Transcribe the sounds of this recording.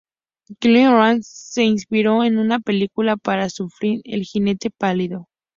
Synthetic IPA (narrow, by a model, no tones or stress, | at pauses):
klinɾansːe̞inspiɾo̞enunape̞likulapaɾasufɾiɾḛlxine̞t̪e̞paliðo̞